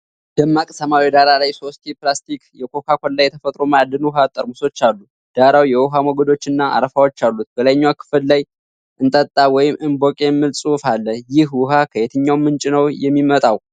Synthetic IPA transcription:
d̪̥əmːakʼsəmawid̪aɾalajso̞st̪eplast̪ikjɛkʰo̞kʰakʰo̞nlajɛt̪ʰəfət̪ʼɾo̞mad̪ɨnwuɦat̪ʼəɾmuso̞t͡ʃːalːu | d̪̥aɾawjɛwʊɦamɔɡəd̪o̞t͡ʃːɨnːaʔa̰ɾəfawo̞t͡ʃːalːut̪̚b̥əlaɲːwakʰɨ̥fɨllaj | ʔɨnt̪ʼət̪ʼːawɔjɪmʔɨnbo̞kʼe̞mːɨlsʼufalːəjɪhwʊɦakʰəjet̪ʰɨɲːawmːɨnt͡ʃʼɪnəwjɛmːimət̪ʼaw

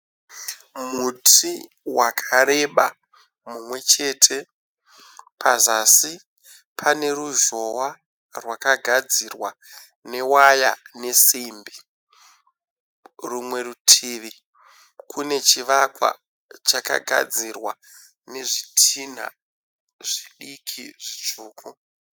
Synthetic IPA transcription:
muti | wakʰaɾe̞ɓa̰ | mumwe̞t͡ʃe̞ːtʰe̞ | pʰazasi | pʰane̞ɾuʒo̞wa | rwakaɡʱad͡zirwa | ne̞waja̰ne̞simbi | rumwe̞rutʰiːʋi | kʰune̞t͡ʃiʋakwa̰ | t͡ʃaka̰ɡʱa̰d͡zirwa | ne̞ʐitʰin̤a̰ | ʐiɗikʰiʐ̥it͡ʂuːkʰu

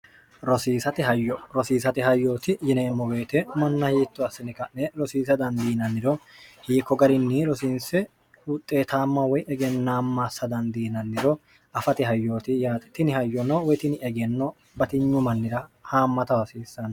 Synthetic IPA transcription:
ɾɔsiːsɐt̪ɪɦɐjːɔɾɔsiːsɐt̪ɪɦɐjːo̞ːt̪ɪjɪneːmːɔbe̞ːt̪ɛmɐnːɐjiːt̪ːɔɐsːɪnɪkɐnnɛɾɔsiːs̬ɐd̪ɐnd̪iːnɐnːɪd̪ɔhiːkːɔɡɐɾɪnːɪɾɔsiːnsɛ | ʊt̪ʼːeːt̪ʰaːmːɐwɔjɛɡɛnːaːmːasːɐd̪ɐnd̪iːnɐnːɪɾɔ | ɐfɐt̪ɪɦɐjːo̞ːt̪ɪjaːt̪t̪ɪnɪhɐjːɔnɐwɔjt̪ɪnɪɛɡɛnːɔ | bɐt̪ɪɲːʊmɐnːɪɾɐhaːmːɐt̪ɐwɐsiːsːɐn

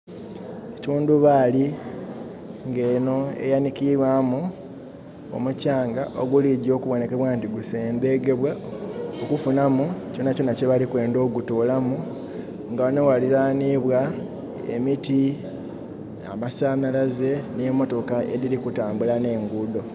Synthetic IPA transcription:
ecuːnduβaːli | ŋɡe̞ːno̞e̞̰janikiβwamu | o̞̰mucaːŋɡaʔoɡuliɟo̞ːkuβo̞ne̞ke̞βwaːntiɡuse̞ːmbe̞ɡe̞βwaokufunamuco̞naconaceβalikwe̞ːndo̞ːɡutoːlamu | ŋɡaonowaliɾaːniβwa | ḛmiti | a̰masaːmalaze̞nemo̞to̞kae̞̰ɾiɾikutaːmbulane̞ːŋɡudo̞

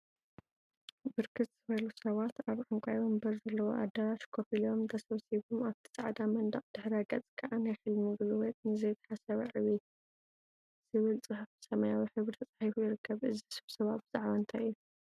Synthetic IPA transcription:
bɨɾkʰɨt̪z̥ɨβɐlusɐβat̪aβʕaŋkʷʼajombɐɾzɐlːɐwoʔa̰d̪ɐɾaʃkʰofilo̞md̪ɐsɐβsiβomaβt̪ʰɨ̥t͡sʼa̰ʕd̪amɐnd̪ɐχʼd̪̥ɨħɾaɡɐt͡sʼkʰɐʔanajħɨlmiɡɨlɨwɔt̪̚nɨzɐjt̪ʰɐ̥ħasɐβɐʕɨβi | z̥ɨβɨlt͡sʼɨħɨfɨsɐmɐjawiħɨβɾɨt̪ʰɐt͡sʼaħifujɪɾɨkːɐβʔɨzisɐβsɐβabɨz̥aʕβant̪ʰaʔɨju

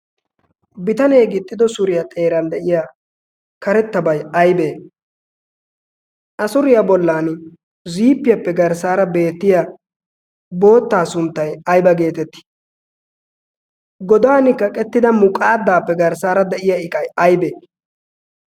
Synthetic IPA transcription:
bɪt̪ɐne̞ːɡɪt̪ʼːɪd̪ɔsʊɾɪjɐt̪ʼe̞ːɾɐnd̪ɛʔɪja | kɐɾɛt̪ːɐbɐjɐjbeː | ʔɐsʊɾɪjabɔlːaːn | ziːpːɪjɐpːɛɡɐɾsaːɾɐbe̞ːt̪ːɪja | bo̞ːt̪ːaːsʊnt̪ːɐjɐjbɐɡe̞ːt̪ɛt̪ːɪ̥ | ɡɔd̪aːnɪkːɐkʼɛt̪ːɪd̪ɐmʊkʼaːd̪ːaːpːɛɡɐɾsaːɾɐd̪ɛʔɪjaɪkʼɐjɐjbeː

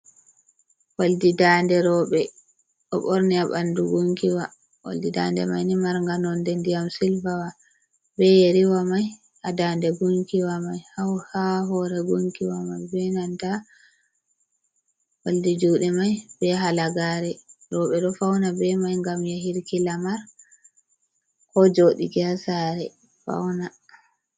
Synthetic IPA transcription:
waldidaːndɛɾɔɓɛ | ʔɔ̰ɓɔɾniaɓanduɡuŋkiwa | wa̰ldida̰ndɛ̰majnimaɾŋɡanɔndɛndijamsilfawa | bɛjeɾiwamaj | hadaːndɛɡuŋkiwamajhawhawɦɔɾɛɡuŋkiwamajbɛnanta | woldid͡ʒuɗɛmajbɛɦalaɡaːɾɛɾɔɓɛɗɔfawnabɛmajŋɡamjahiɾkilamaɾ | kɔd͡ʒoɗḭɡasaɾɛ | fa̰wna

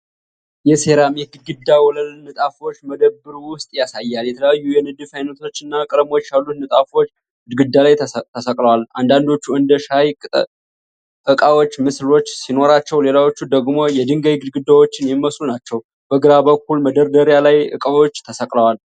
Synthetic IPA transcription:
jɛse̞ɾamihɡɨd̪̚ɡɨd̪ːawɔləlnɨt̪ʼafot͡ʃːməd̪əbːɨɾuwʊst̪ʼjasajːaljɛt̪ʰələjajːujɛnɨd̪ɨfajnət̪ʰo̞t͡ʃːɨnːakʼɨɾmo̞t͡ʃːjalːut̪nɨt̪ʼafo̞t͡ʃː | ɡɨd̪ɡɨd̪ːalajt̪ʰəsəkʼləwaland̪and̪o̞t͡ʃːuɨnd̪əʃajkʼt̪ʼ | ʔɨkʼawo̞t͡ʃːmɨslo̞t͡ʃːsino̞ɾat͡ʃːɛwle̞lawo̞t͡ʃːud̪əɡmo̞jɛd̪ɨŋɡajɡɨd̪ɡɨd̪ːawot͡ʃːɪnjɛmːəslunat͡ʃːɛw | b̥əɡɨɾabəkːulməd̪əɾd̪əɾjalajʔɨ̰kʼawo̞t͡ʃːt̪ʰəsəkʼləwal

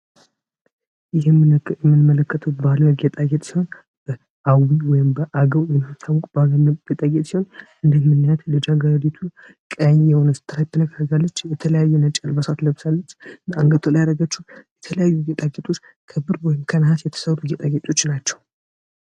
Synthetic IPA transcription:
ɪɪmɛmːɨnmələkːət̪ʰəwbaləjɛɡet̪ʼaɡɛt̪ʼsiho̞n | b̥ə | awiwɔjɪmbəʔaɡəwwjɪmɨt̪ʰːawɔkʼbaɡəɡ̥et̪ʼaɡet̪ʼsiho̞n | ɨnd̪əmːɨnːjat̪ləd͡ʒaɡaɾd̪it̪ʰu | kʼəɲjɛho̞nəsɨ̥t̪ʰɨɾajt̪ʰːənəɡəɡalːət͡ʃːjɛt̪ʰələjajːunət͡ʃʼəlbəsat̪ləβsalːət͡ʃːnaŋɡət̪ʰəlajaɾəɡət͡ʃːujɛt̪ʰələjajːuɡet̪ʼaɡet̪ʼo̞t͡ʃː | kʰəbɨɾwɔjɪmkʰənɦasjɛt̪ʰə̥səɾːuɡet̪ʼaɡet̪ʼo̞t͡ʃːnat͡ʃːɛw

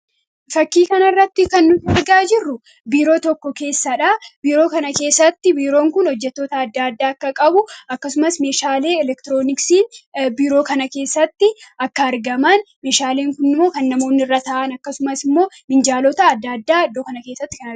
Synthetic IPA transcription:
fɐkːiːkɐnɐrːɐt̪ːɪkɐnːʊtɪɐɾɡaːd͡ʒɪrːʊ | biːɾo̞ːt̪ɔkːɔke̞ːsːɐᶑaːbiːɾo̞ːkɐnɐke̞ːsːɐt̪ːɪbiːɾo̞ːŋkʊnɔd͡ʒːɛt̪ːo̞ːt̪ɐːd̪ːaːd̪ːaːɐkːɐkʼɐbʊɐkːɐsʊmɐsme̞ːʃaːle̞ːɛlɛkt̪ɪɾo̞ːnɪksiːnbiːɾoːkɐnɐke̞ːsːɐt̪ːɪɐkːɐɐɾɡɐmɐn | me̞ːʃaːleːŋkʊnːɪmːo̞ːkɐnːɐmo̞ːnːɪrːat̪ɐaːʔɐnɐkːɐsʊmɐsɪmːo̞ː | mɪnd͡ʒaːlɔt̪ɐːd̪ːaːd̪ːaːɐd̪ːoːkɐnɐke̞ːsːɐt̪ːɪ̥kɐnɐ

